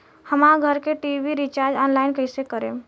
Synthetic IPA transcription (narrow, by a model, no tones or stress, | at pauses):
həmaɡʱəɾkeʈibiɾit͡ʃaɾd͡ʒɔnlaɪnkəɪsekəɾḛ